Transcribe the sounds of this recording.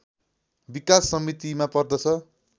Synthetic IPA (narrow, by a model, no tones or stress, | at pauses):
bikasːʌmit̪imapʌrd̪ʌt͡sʰʌ